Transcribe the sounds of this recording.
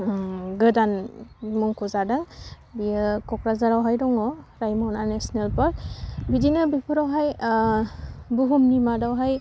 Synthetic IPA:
ɡədanmɔŋkɔzadaŋ | bijəkɔkɹazaɾawɦajdɔŋɔɹajmɔnanɛsnɛlpaɹbidinabipʰɔɾawɦaj | buɦumnimadawɦaj

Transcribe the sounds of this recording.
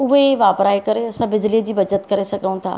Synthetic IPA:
ʊɦeʋaːpɾaːikɐɾeɐsãbɪd͡ʑlid͡ʑiːbɐd͡ʑət̪kɐɾesɐɡʱəũt̪ʰa̰ː

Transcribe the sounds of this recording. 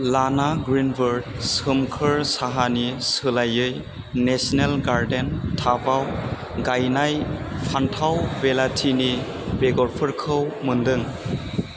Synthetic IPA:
lanaɡɾinbɯɾd̚sɯmkʰɯɾsaɦanisɯlajɯj | nesnelɡaɾdentʰabaw | ɡajnajpʰantʰawbelatʰini | beɡɔɾpʰɯɾkʰɯwmɯndɯŋ

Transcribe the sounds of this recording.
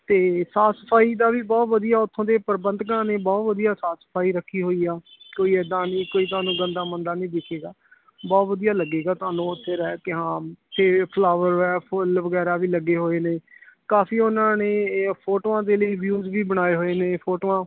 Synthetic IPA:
t̪eːsaːt̪səpʰaːiːd̪aːʋiːbɔːt̪ʋəd̪ijaːʊt̪ʰːõːd̪eːpəɾbənd̪kãːneːbɔːt̪ʋəd̪ijaːsaːt̪sə̥pʰaːiːɾəkʰːiːɦoːiːaː | koːiːɛːd̪ãːnĩːkoːiːt̪ʊaːnũːɡənd̪aːmənd̪aːnĩːd̪ɪkʰeːɡaː | bɔːt̪ʋəd̪ijaːləɡeːɡaːt̪ʊaːnũːt̪ʰːɪːɾɛːkɪɦãːɪt̪ʰːeːpʰlaːʋəɾɛːpʰʊlʋəɡɛːɾaːʋiːləɡːeːɦoːeːneːkaːfiːʊnãːneːpʰoːʈoːãːd̪eːləiːʋjuːzʋiːbəɽ̃aːeːɦoːeːneːpʰoːʈoːãː

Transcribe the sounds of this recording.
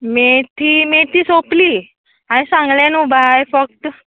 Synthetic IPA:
met̪ʰiːmet̪iːsopliː | aɽ̃isãŋɡlãnubajfək̚t̪

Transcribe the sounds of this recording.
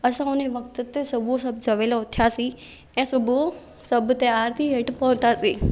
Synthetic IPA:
əsãʊneʋəkt̪t̪esɐbʱosɐb̚d͡ʒɐʋelaʊt̪ʰːjasi | ɛ̃ːsəbʱo | sɐbʱt̪əjaːɾt̪ʰiɦeʈpɔ̃ɦt̪asiː

